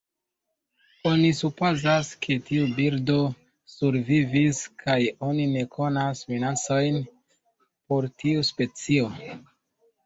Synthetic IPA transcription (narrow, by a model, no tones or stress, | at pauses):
o̞nisupo̞zaskʰe̞tiubiɾdo̞ | suɾviviskʰajo̞nine̞kʰo̞nasminat͡so̞jn | po̞ɾtiuspe̞t͡sio̞